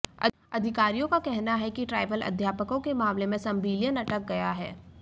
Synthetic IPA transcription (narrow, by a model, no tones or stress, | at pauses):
ɐ̰ | ɐd̪ʱɪkaːɾijõkakɛɦnaɦɛkiʈɾaːɪʋəlɐ̰d̪ʱjaːpəkõkemaːmlemẽsɐ̃mbʱiːljənɐʈək̚ɡɐjaɦɛː